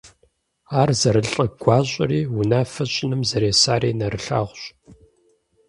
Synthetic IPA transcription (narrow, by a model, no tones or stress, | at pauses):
aːrzɐɾɨɬʼɐɡʷɑːɕʼɪ̰riːwʊnaːfɐɕʼɪnɨmzɐɾeːsaːɾiːnɐrɨɬa̰ːʁʷɕ